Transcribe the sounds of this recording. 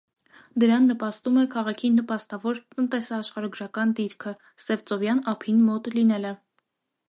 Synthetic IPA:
d̪əɾɑnːəpɑst̪umɛkʰɑʁɑkʰinːəpɑst̪ɑvɔɾt̪ənt̪ɛsɑːʃχɑɾɑɡɾɑkɑnd̪iɾkʰə | sɛvt͡sɔvjɑnɑpʰinmɔt̪linɛlə

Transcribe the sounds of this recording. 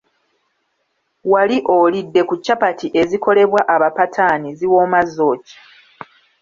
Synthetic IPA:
waliʔo̞lidːe̞kucːapatiʔe̞ziko̞le̞βwaʔaβapatʰaniziwo̞ːmazːo̞ːcḁ

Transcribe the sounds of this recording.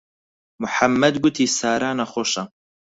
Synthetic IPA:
mʊħamːɛd̪ɡut̪ʰiːsaːɾaːnaxoːʃa

